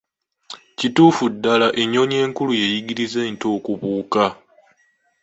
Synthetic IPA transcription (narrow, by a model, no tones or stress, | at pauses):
cituːfudːalaʔe̞ɲo̞ɲe̞ːŋkuluje̞jiɡiɾize̞nto̞ːkuβuːka